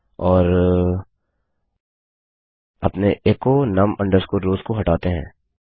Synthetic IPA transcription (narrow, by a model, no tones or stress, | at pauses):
ɔːɾ | ɐ̰pneʔeːkonɐmɐ̃ɳɖəɾskuɾɾoːzkoɦɐʈaːt̪eɦɛ̰̃ː